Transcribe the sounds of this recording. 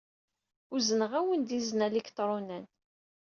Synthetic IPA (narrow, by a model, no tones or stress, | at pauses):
ʊzənəʁæwənd̪iznælikt̪ɾˤunæn